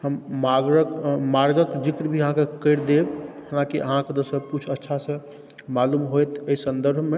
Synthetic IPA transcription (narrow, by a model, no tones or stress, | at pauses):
həmmaɡɾəkmaɾɡəkd͡ʒikɾbʱiəɦãkekəɪɾd̪ebhənãkiʔə̰ɦãked̪osəbkut͡ʃʰətːʃʰasə̃ | malumɦojt̪əisə̃nd̪əɾbʱme